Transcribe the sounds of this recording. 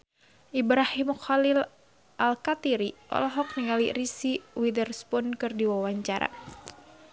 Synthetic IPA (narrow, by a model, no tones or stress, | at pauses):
ʔibɾahimxalil | ʔalkat̪iɾiʔɔ̰lɔɦɔk̚niŋalirisiwidərspunkɨrdiwawaɲt͡ʃaɾa̰